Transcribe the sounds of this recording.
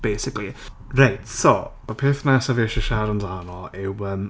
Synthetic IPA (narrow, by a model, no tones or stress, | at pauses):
b̥ejsɪkli | rajtsomapʰeːθnasaveʃəʃaɾəndanɔlˠɪwəm